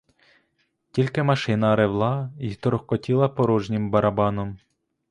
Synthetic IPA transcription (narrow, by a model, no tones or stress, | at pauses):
tʲilʲkɪmɐʃɪnɐɾewlˠɑit̪ɔɾɔxkɔtʲilˠɐpɔɾɔʒnʲɪmbɐɾɐbɑnɔm